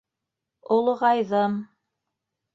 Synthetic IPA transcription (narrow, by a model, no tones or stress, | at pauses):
olˠʁɑjðɤm